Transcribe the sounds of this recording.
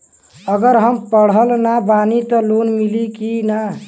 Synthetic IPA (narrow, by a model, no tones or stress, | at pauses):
əɡəɾɦəmpəɽ̤əlnabanit̪əlonmilikina